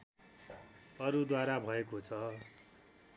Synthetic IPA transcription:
ʌɾud̪waɾabʱʌekot͡sʰʌ

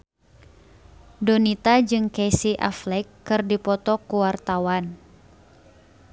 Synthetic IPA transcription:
donit̪ad͡ʒɨŋkesiʔa̰flɛkːɨrdipɔt̪ɔkuwart̪awan

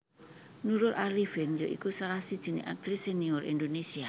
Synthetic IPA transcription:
nuɾʊrʔalifɪnjoʔḭkusaɾahsid̥ʒ̥i̤nḛʔak̚t̪ɾiseniɔrʔḭnd̪onesia

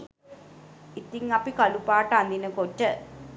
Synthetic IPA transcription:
it̪ːiŋɐpikɐlupaːʈːɐand̪inəkotːə

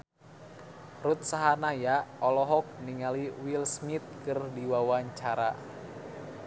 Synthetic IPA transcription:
rut̪̚saɦanajaɔlɔɦɔk̚niŋaliwilsmit̪̚kɨrdiwawaɲt͡ʃaɾa̰

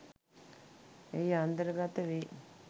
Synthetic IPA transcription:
ejant̪əɾɡat̪əʋe

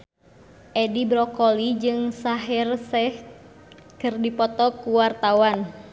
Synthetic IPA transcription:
ʔɛdibɾɔkɔlid͡ʒɨŋsaɦɪrsɛh | kɨrdipɔt̪ɔkuwart̪awan

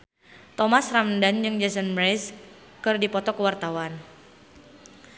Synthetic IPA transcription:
t̪ɔmasramndand͡ʒɨŋd͡ʒɛsənmɾɛs | kɨrdipɔt̪ɔkəwart̪awan

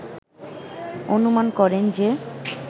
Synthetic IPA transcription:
onumankɔɾend͡ʑe

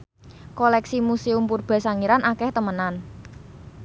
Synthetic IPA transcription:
kɔlɛksimuseumpurb̥ɛ̤saŋiɾanʔakɛht̪əmənan

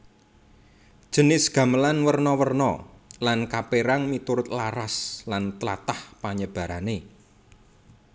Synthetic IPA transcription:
d̥ʒ̥ə̤nɪsɡ̥ä̤məlanwərnɔwərnɔ̰lankapeɾaŋmit̪uɾʊt̪laɾaslant̪əla̰t̪ahpaɲəb̥a̤ɾane

